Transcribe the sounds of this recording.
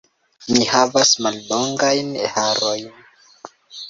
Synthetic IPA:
mihavasmalːoŋɡajnehaɾo̞jn

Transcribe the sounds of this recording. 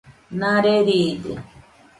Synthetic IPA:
naɾeɾiːd̪ḭ

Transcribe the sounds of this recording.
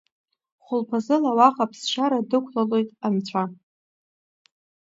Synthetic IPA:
χʷʊlpʰazɨlawaχapʰsʃʷaɾadɨkʷʰlalo̞jtʼamt͡ɕʷʰa

